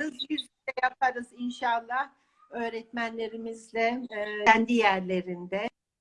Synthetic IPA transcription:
ɾɯzbizylɛjapʰaɾɯzinʃalˠːah | ø̞ːɾɛt̪mænlʲe̞ɾimizlʲɛænd̪ijæɾlʲe̞ɾind̪ɛ

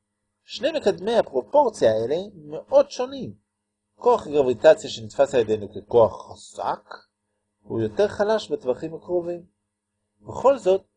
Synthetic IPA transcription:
ʃne̞jmekadme̞jhapʁo̞po̞ʁt͡sjaeleme̞ʔo̞dʃo̞nim | ko̞aχɡʁavitat͡sjaʃenitfasajede̞jnukeko̞aχːasa̰k | hṵjo̞te̞ʁχalaʃbetvaχimhakʁovim | beχo̞lzo̞t̚

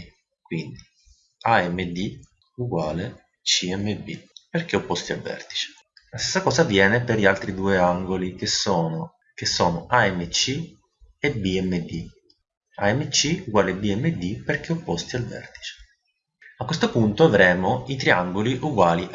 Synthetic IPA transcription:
kwind̪i | aɛmːed̪i | uɡwaːle | t͡ʃiɛmːebḭperk̟eopːɔst̪ia̰lvɛ̰rt̪i̥t͡ʃe̥ | last̪esːakɔːsavjɛːnepeɾʎialt̪ɾid̪uːeaŋɡolik̟esːɔːno | kesːɔːnoʔaɛmːet͡ʃːi | ebiɛmːed̪i | aɛmːet͡ʃːiuɡwaːlebiɛmːed̪ːiperk̟eopːɔst̪ialvɛ̰rt̪i̥t͡ʃe̥ | akːwest̪opunt̪oavɾɛːmoit̪ɾeaŋɡoliʔuɡwaːliʔ

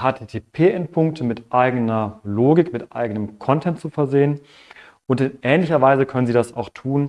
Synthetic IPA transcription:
haːtʰeːtʰeːpʰeːʔɛntpʰʊŋk̚tʰəmɪtʔaɪɡənɐloːɡɪkmɪtʔa̰ɪɡənəmkʰɔntʰɛntt͡sufɛɐzeːən | ʔʊntɪnʔɛːnlɪçɐvaɪzəkʰœnənziːdasa̰ʊxtʰuːn

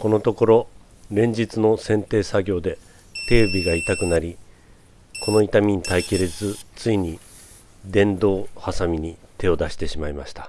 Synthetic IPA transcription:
ko̞no̞t̪o̞ko̞ɾo̞ | ɾẽ̞ɲ̟d͡ʑit͡sɨno̞sẽ̞nt̪e̞ːsaɡʲo̞ːd̪e̞ | t̪e̞ːbʲiɡait̪akɯ̟naɾʲi | ko̞no̞it̪amʲiɲ̟it̪aikʲiɾezɨt͡sɨiɲ̟i | d̪ẽ̞nd̪o̞ːhasamʲiɲ̟it̪e̞o̞d̪aɕi̥t̪e̞ɕimaimaɕi̥t̪ḁ

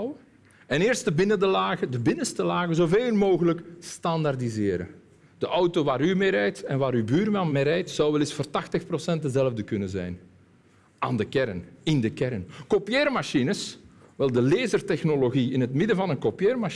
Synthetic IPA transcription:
w | ɛnɪːrstdəbɪnədəlaːɣədəbɪnənstəlaːɣəzoveːlˠmoːɣələkstɑndardizɪːɾə̰ | d̥əʔʌwtoʋaːɾymeːɾɛjtɛnʋaːɾybyːɾmɑnmeɾɛjtsɑwʋɛlɪsfərtɑxtəxprosɛnt̚dəzɛləvdəkɵnənzɛ̰jn | aːndəkɛɾənɪndəkɛɾənkopijeːrmaʃinəsʋɛlˠdəleːzərtɛxnoloɣiɪnɦətmɪdənvɑnənkopjeːrma

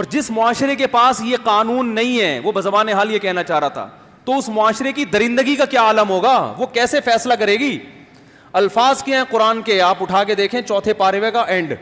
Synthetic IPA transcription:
ɔːɾd͡ʒɪsmʊaːʃɾekepaːsjeqaːnuːnːɐɦĩɦɛ̃ːʋobɐzɐbaːneɦaːljekɛɦnat͡ʃaːɾaːt̪ʰa̰ː | t̪oʊsmʊaːʃɾekid̪ɐɾɪ̃nd̪əɡikakjaːaːləmɦoːɡaːʋokɛːsefɛːslak̬ɐɾeːɡiː | ɐlfaːzkjaɦɛ̃qʊɾaːnkeaːpʊʈʰaːked̪eːkʰẽːt͡ʃɔːt̪ʰepaːɾɪʋekaʔɛ̃ɳɖ

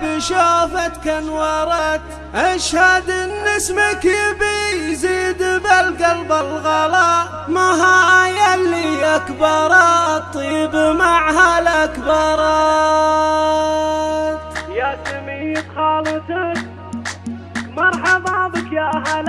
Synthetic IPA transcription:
biʃaːfat̪kanwɑɾˤɑk | ʔaʃhad̪ɪnːɪsmakɪbijziːd̪balɡalbalɣɑlɑʔ | maɦaʔajalːiʔakbɑɾˤɑt̪ˤːibmaʕhalakbɑɾˤɑ | t̪jasamit̪xɑːlɨt̪ak | mɑɾˤħɑbɑʕðˤəkjaʔahal

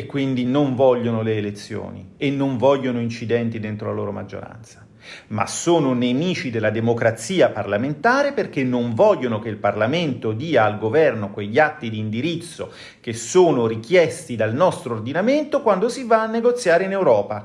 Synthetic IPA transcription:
ekːwind̪inoɱvɔʎːonoleːlet̪sːjo̰ːnḭenːoɱvɔʎːonoint͡ʃid̪ɛnt̪id̪ent̪ɾolaloːɾoma̰d͡ʒːo̰ɾa̰nt̪sḁ | ma̰soːnonemiːt͡ʃid̪elːad̪emokɾat̪siːaparlament̪aːɾeperk̟enːoɱvɔʎːonokeilparlament̪od̪iːaːlɡovɛrnokweʎːiat̪ːid̪iːnd̪iɾit̪sːo | k̟esoːnorikjɛst̪id̪alnɔst̪ɾoːrd̪inament̪okwand̪osivaːnːeɡot̪sːjaːɾeinewɾɔːpa

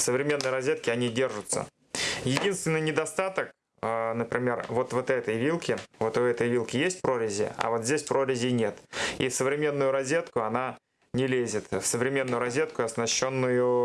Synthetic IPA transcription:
səvɾʲɪmʲe̞nːəjɾɐzʲːet̪̚kʲɪɐnʲidʲe̞rʐʊt̪sə̰ | jɪdʲinst̪vʲɪnːɨjnʲɪd̪ɐst̪at̪ək | nəpɾʲɪmʲe̞rvo̞t̪vot̪ɛt̪əjvʲilˠkʲɪvo̞t̪ʊɛt̪əjvʲilˠkʲɪjesʲt̚ʲpɾo̞ɾʲɪzʲɪ̰ɐ̰vo̞t̪zʲdʲesʲpɾoɾʲɪzʲɪnʲe̞t̪isəvɾʲɪmʲe̞nːʊjʊɾɐzʲːe̞t̪kʊɐna | nʲɪlʲezʲɪt̪fsəvɾʲɪmʲe̞nːʊjʊɾɐzʲet̪̚kʊɐsnɐɕːo̞nːʊjʊ

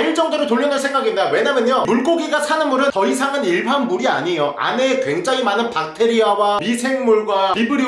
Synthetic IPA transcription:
iɭt͡ɕ͈ʌŋdoɾotoʎːjʌnansʰeŋɡaɡindawe̞ɲamjʌɲomuɭk͈oɡiɡasʰanɯnmuɾɯntʌisʰaŋɯniɭbʰanmuɾia̰ɲejoʔa̰ne̞kwe̞ŋd͡ʑaŋimanɯnpak̚tʰe̞ɾiawamisʰe̞ŋmuɭɡwamibɯɾi

